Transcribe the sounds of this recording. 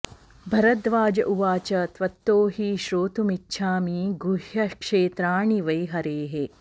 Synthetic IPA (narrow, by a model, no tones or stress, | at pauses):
bʱɐɾɐd̪ʋaːd͡ʒɐʔuʋaːt͡ʃɐt̪ʋɐt̪ːoːɦiːʃɾoːt̪umitːʃʰaːmiːɡuɦjɐkʂeːt̪ɾaːɳiʋɐjɦɐɾeːɦe